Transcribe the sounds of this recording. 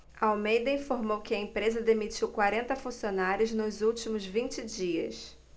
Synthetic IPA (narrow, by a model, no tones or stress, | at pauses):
ɐawmejd̪ɐĩfoɾmowkɪɐẽmpɾezɐd̪emit͡ʃiwkwaɾẽnt̪ɐfũsionaɾjʊznʊzuwt͡ʃimʊzvĩnt͡ʃɪd͡ʒiɐ̰s